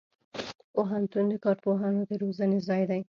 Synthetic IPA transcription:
poɦant̪und̪əkɑɾpoɦɑnod̪eɾozanezɑjd̪aj

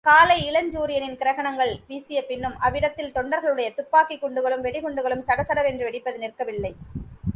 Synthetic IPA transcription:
kaːlɐɪɪɭɐɲd͡ʒuːɾɪjɐnɪnkɪɾɐɣɐɳɐŋɡɐɭʋiːsɪjɐpɪnːɯmʔɐʋɪɽɐt̪ːɪlt̪ɔɳɖɐɾɣɐɭɯɽɐjɐt̪ʊpːaːkikːɔɳɖɯɣɐɭɯmʋɛɽɪɣɔɳɖɯɣɐɭɯmsɐɽɐsɐɽɐʋɛndrɯʋɛɽɪpːɐðɯnɪrkɐʋɪlːɐɪ

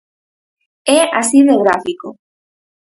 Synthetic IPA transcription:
ɛa̰siðeɣɾafiko

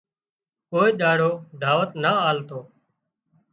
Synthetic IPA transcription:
koːeːɗaːɽoːd̪ʱaːʋət̪naːaːlt̪oː

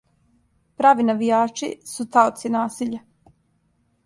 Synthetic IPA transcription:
pɾaːʋinaʋijaːt͡ʃḭsut̪aot̪sinaːsiʎa

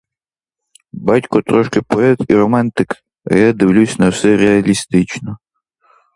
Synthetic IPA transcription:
batʲkɔt̪ɾɔʃkɪpɔɛt̪iɾɔmɑnt̪ɪk | ɐ̰jad̪ɪwlʲusʲnɐwsɛɾeɐlʲist̪ɪt͡ʃnɔ

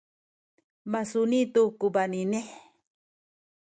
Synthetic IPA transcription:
masunĩt̪ukubanine

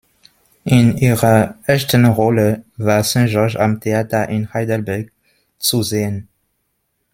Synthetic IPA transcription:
ʔɪnʔiːʁɐʔɛstənʁɔləvaːɐsɛ̃ʒɔɐʃamtʰeaːtɐʔɪnhaɪdəlbɛɐɡ̚ | t͡suzeːən

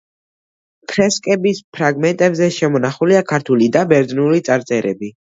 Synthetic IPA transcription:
kʰɾɛskʼɛbispʰɾaɡmɛnt̪ʼɛbzɛʃɛmɔnaχuliakʰaɾt̪ʰulid̪abɛɾd̪nulit̪sʼaɾt̪sʼɛɾɛbi

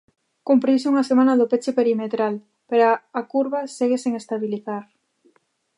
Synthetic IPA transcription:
kumpɾisuŋasemãnaðʊpet͡ʃepeɾimet̪ɾal | peɾaːkuɾβaseɣeseŋest̪aβiliθaɾ

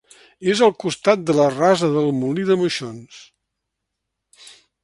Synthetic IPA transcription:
ezəlˠkust̪at̪̚d̪ələrazəðəlˠmuliðəməʃons

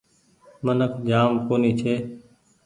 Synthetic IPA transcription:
mənəkʰd͡ʒaːmkoːniːt͡ʃʰeː

